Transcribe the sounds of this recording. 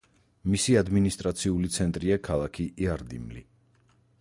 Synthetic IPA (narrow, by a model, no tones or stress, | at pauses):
misiad̪minist̪ʼɾat̪sʰiulit̪sʰɛnt̪ʼɾiakʰalˠakʰiʔiaɾd̪ḭmlḭ